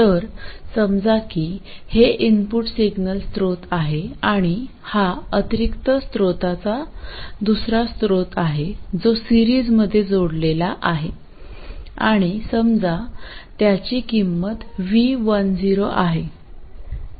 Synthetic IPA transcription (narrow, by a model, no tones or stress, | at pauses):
t̪əɾsəmd͡zakiːheʔinpuʈsiɡnəlst̪ɾot̪aɦeaɽ̃i | haət̪iɾikt̪əst̪ɾot̪at͡sad̪usɾast̪ɾot̪aɦed͡zosiɾiːd͡zməd̪ʱːjed͡zoɽlelaʔaɦe | aɽ̃isəmd͡zat̪jat͡ɕiːkimːət̪ʋiʋənd͡ziɾoʔaɦe